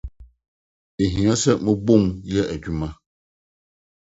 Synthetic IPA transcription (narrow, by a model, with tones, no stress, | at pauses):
e˨ɦĩ˨ã˦sɛ˦mə̃˦bo˦˨mjɛ˦ʔɛ˨d͡ʑᶣu˦mã˦